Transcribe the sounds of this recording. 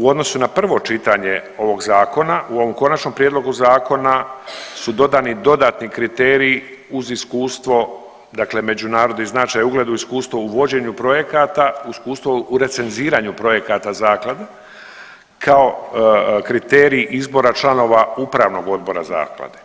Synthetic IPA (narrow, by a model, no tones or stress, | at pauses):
uo̞d̪no̞sunapr̩ʋo̞t͡ʃit̪aɲe̞o̞ʋo̞ɡzaːko̞naʔuo̞ʋo̞mko̞nat͡ʃno̞mpɾije̞d̪lo̞ɡuzaːko̞nasud̪o̞d̪aːnid̪o̞d̪aːt̪nikɾit̪eːɾiː | uziskuːst̪ʋo̞ | d̪akle̞me̞d͡ʑunaːɾod̪niznat͡ʃaːjauɡle̞d̪uiskuːst̪ʋo̞uʋo̞d͡ʑe̞ɲupɾo̞je̞kat̪auiskuːst̪ʋo̞uɾe̞t̪se̞nziːɾaɲupɾo̞je̞kat̪azaːklˠad̪e | kʰao̞ | kɾit̪eːɾiːʔizbo̞ɾat͡ʃlˠano̞ːʋaupɾaːʋno̞ɡo̞d̪̚bo̞ɾa̰za̰ːklˠa̰d̪e̥